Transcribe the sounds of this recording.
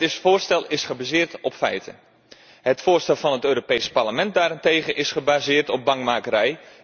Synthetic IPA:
ɪsfʊːrstɛlˠɪsχəbazɪːrtɔpfɛ̰jtʰə̰n | hətfʊːrstɛlˠvɑnətøːɾopejspaɹləmɛnt̚daːɾɪnteːɣənʔɪsχəbaːzɪːrtɔp̚bɑŋmaːkəɾɛj

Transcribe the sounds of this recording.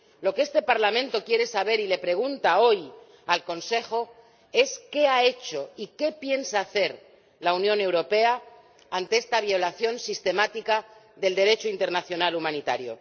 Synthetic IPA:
lo̞kee̞st̪e̞paɾlamẽ̞nt̪o̞kjeɾe̞saβ̞e̞ɾile̞pɾe̞ɣ̞unt̪ao̞j | alko̞nse̞xo̞ | e̞ske̞ae̞t͡ʃo̞ike̞pje̞nsaːθe̞ɾ | launjõ̞ne̞wɾo̞pe̞aː | nt̪e̞e̞st̪aβjo̞laθjo̞nsist̪e̞mat̪ika | ðe̞ld̪e̞ɾe̞t͡ʃoint̪e̞ɾnaθjo̞nalumãnit̪a̰ɾjo̞̰

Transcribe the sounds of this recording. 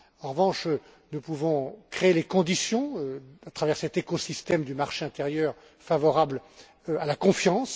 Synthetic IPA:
ɑ̃ʁəvɑ̃ʃ | nupuvɔ̃kχeelekɔ̃d̪isjɔ̃øat̪χavɛʁsɛt̪ekosist̪ɛmd̪ymaʁʃeɛ̃t̪eʁjœːʁ | favɔʁabl | alakɔ̃fjɑ̃s

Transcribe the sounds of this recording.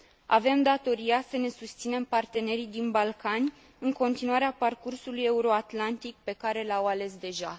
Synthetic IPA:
a̰ve̞md̪at̪o̞ɾijasəne̞sust̪sine̞mpart̪e̞ne̞ɾid̪inbalkanʲ | ɨŋko̞nt̪inuaɾeaparkursuluje̞uɾo̞at̪lant̪ik̚pe̞kaɾe̞lawale̞sd̪e̞ʒa

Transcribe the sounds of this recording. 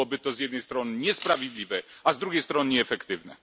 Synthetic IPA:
ɔbɘt̪ɔzjɛd̪nɛjst̪ɾɔnɘɲɛspɾavʲjed̪lʲivɛazd̪ɾuɡʲejst̪ɾɔnɘɲɛːfɛkt̪ɘvnɛ̰

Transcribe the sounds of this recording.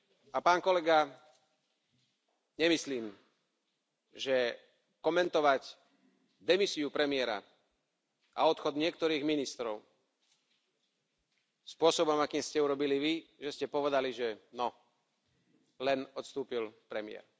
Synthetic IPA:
apaːnkɔlɛɡa | ɲɛmisliːm | ʒɛ | kɔmɛnt̪ɔʋac | d̪ɛmisiupɾɛmɪɛɾa̰ | ʔa̰ɔt̪xɔd̪ɲɪɛk̚t̪ɔɾiːɣminist̪ɾɔʊ | spʊɔsɔbɔmakiːmscɛuɾɔbiliʋiʒɛscɛpɔʋɛd̪aliʒɛnɔ | lɛnɔt̪st̪uːpilpɾɛmɪɛ̰ɾ

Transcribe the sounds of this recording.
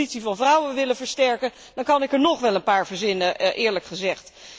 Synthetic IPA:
itsivɑnvrʌwəʋɪlənvəɹstɛɹkən | d̥ɑŋkɑnɪkəɹnɔχʋɛlˠənpaːɹvəɹzɪnəʔɪːɹləkχəzɛχt

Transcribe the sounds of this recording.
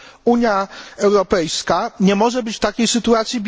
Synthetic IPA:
uɲjaɛwɾɔpɛjskaɲɛmɔʐɛbɘt͡ɕft̪akʲejsɘt̪uat̪sʲjibʲ

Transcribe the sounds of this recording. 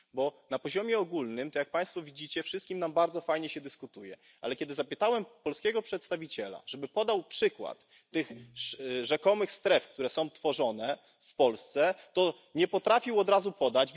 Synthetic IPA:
bɔnapɔʑɔmʲjɛɔɡulnɘmt̪ɔjak̚paj̃st̪fɔvʲid͡ʑit͡ɕɛfʂɘst̪̚kʲimnambaɾd̪zɔfajɲɛɕɛd̪ɘskut̪ujɛ | ʔa̰lɛkʲɛd̪ɘzapɘt̪awɛmpɔlskʲɛɡɔpʂɛt̪st̪avʲit͡ɕɛla̰ʐ̥ɛbɘpɔd̪awpʂɘkwa̰t̪ː | ɘxʂʐɛkɔmɘxst̪ɾɛfkt̪uɾɛsɔ̃w̃t̪fɔʐɔnɛ | fpɔlst̪sɛt̪ɔ | ɲɛpɔt̪ɾafʲiwɔd̪ɾazupɔd̪ad͡ʑ

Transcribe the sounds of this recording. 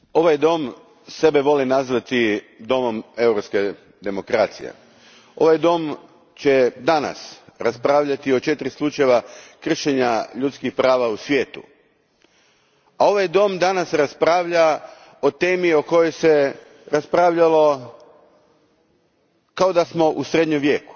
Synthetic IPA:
o̞ʋajd̪o̞m | se̞be̞ʋo̞linazʋat̪i | d̪o̞mo̞me̞wɾopske̞ | d̪e̞mo̞kɾaːt̪sḭjḛ | o̞̰ʋajd̪o̞m | t͡ɕe̞d̪ana̰sɾaspɾaːʋʎat̪io̞t͡ʃe̞t̪ɾislˠut͡ʃajeʋakr̩ʃe̞ɲaʎut̪skixpɾaːʋausʋʲje̞ːt̪ṵ | ao̞ʋajd̪o̞md̪anasɾaspɾaːʋʎa | o̞t̪e̞ːmio̞ko̞jo̞jse̞ | ɾaspɾaːʋʎalo̞ | kao̞d̪asmo̞ʔusɾe̞d̪ɲomʋje̞ːku̥

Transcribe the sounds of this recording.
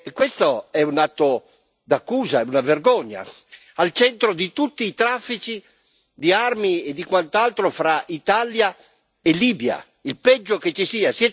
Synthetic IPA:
ekːwest̪oɛunat̪ːo | d̪akːuːzaɛunaverɡɔɲːa̰ | alt͡ʃɛnt̪ɾod̪it̪ut̪ːiːt̪ɾafːit͡ʃi | d̪iarmied̪ikwant̪alt̪ɾofɾaʔit̪alja | eliːbja̰ | ilpɛd͡ʒːoket͡ʃːisiːasiɛ

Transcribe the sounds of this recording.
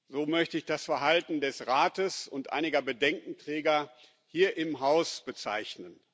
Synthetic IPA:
zoːmœçtəɪçd̥asfɛɐɦaltn̩dɛsʁaːtəsʊntʔa̰ɪnɪɡɐbədɛŋkŋ̩tʁ̥ɛːɡɐ | hiːɐʔɪmɦaʊsb̥ət͡sa̰ɪçnən

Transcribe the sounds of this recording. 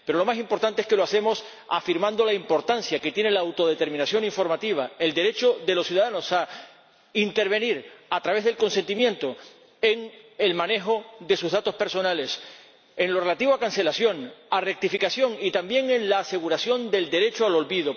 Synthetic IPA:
pe̞ɾo̞lo̞masimpo̞ɾt̪ant̪eeske̞loase̞mo̞s | a̰fiɾmãnd̪o̞laimpo̞ɾt̪ansjake̞t̪je̞ne̞laːwt̪o̞ð̞e̞t̪e̞ɾmĩnasjo̞niɱfo̞ɾmat̪iβ̞ae̞ld̪e̞ɾe̞t͡ʃo̞ðe̞lo̞ssjuðaðano̞sa | int̪e̞ɾβ̞e̞niɾat̪ɾaβezðe̞lko̞nse̞nt̪imjẽ̞nt̪o | eŋe̞lmãne̞xo̞ðe̞suzðat̪o̞spe̞ɾso̞nale̞s | enlo̞re̞lat̪iβoakanse̞lasjo̞ŋare̞k̚t̪ifikasjo̞ŋit̪ambje̞ŋe̞nlaːse̞ɣuɾasjo̞nd̪e̞ld̪e̞ɾe̞t͡ʃoalo̞lβiðo

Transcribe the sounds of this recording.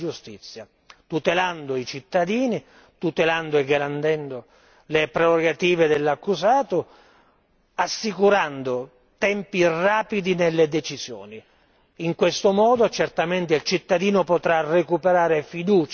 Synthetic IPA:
d͡ʒust̪it̪sːja | t̪ut̪eland̪oit͡ʃit̪ːad̪iːni | t̪ut̪eland̪oeɡːaɾant̪ɛnd̪o | lepɾeroɡat̪iːved̪elːakːuzaːt̪o | asːikuɾand̪o | t̪ɛmpiraːpid̪inelːed̪et͡ʃizjo̰ːni | iŋkwest̪omɔːd̪ot͡ʃɛrt̪ament̪eilt͡ʃit̪ːad̪iːnopot̪ɾarekupeɾaːɾefid̪uːt͡ʃ

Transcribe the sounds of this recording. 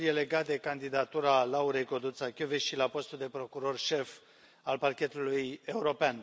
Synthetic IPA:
iele̞ɡat̪̚d̪e̞kand̪id̪at̪uɾalauɾe̞jko̞d̪ut̪sakʲuveʃilapo̞st̪uld̪e̞pɾo̞kuɾo̞rʃe̞f | alparkʲe̞t̪uluje̞uɾo̞pean

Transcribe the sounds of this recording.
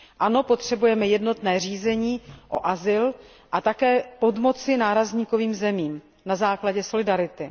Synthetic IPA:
ʔano̞po̞t̪r̝̥ɛbujɛmɛjɛdno̞t̪nɛːr̝iːzɛɲiːʔo̞̰ʔazɪl | ʔat̪akɛːpo̞dmo̞t͡sɪnaːɾazɲiːko̞viːmzɛmiːm | nazaːklaɟɛso̞lɪdaɾɪt̪ɪ

